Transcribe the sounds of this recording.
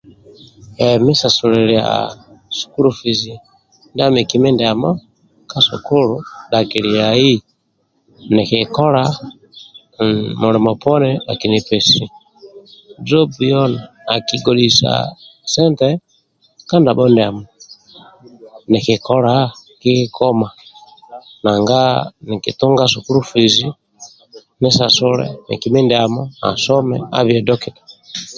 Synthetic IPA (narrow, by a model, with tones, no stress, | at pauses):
ɛ˨mi˦sa˨su˨ɾɛ˨ɾi˨a˨a̰˨su̥˨ku˦ɾu˨fi˨zi˨ | nda˦mi˨ki˨mɛ˦ndɛ˨a˨ma˦ | ka˦sɔ̰˨ko˦ɾu˨˦ɗa˨ki˨ɾi˨ja˨i˦ | nɛ˨ki˨kɔ˦ɾa˦ | mu˨ɾi˨mɔ˨pɔ˦nɛ˦a̰˨ki˨ni˨pɛ˨si˨ | d͡zɔ˦bi˨jɔ˦na˨ | a˨ki˨ɡɔ˨ɗi˨sa̰˨sɛ˦ntɛ˦ | ka˦nda˨ɓɔ˦ndɛ˨a˨mɔ˨ | ni˨ki˨kɔ˦ɾa˦ | ki˦ki˦kʰɔ˦ma˨ | na˨ŋɡa˦ni˨kḭ˨tu˦ŋɡa˦su˨ku˦ɾu˦fi˨zi˦ | nɛ˦sa˨sɔ˦ɾɛ̰˦nḭ˨ki˨mi˦ndɛ˨a˨mɔ˦na̰˨sɔ˦mɛ̰˨a̰˦βjɛ˨dɔ˦ki˨ɗḁ˨